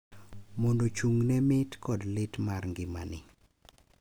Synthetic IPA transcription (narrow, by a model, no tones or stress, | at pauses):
mondot͡ʃuŋnɛmɪtkɔdlɪtmarŋɡɪma̰nɪ̰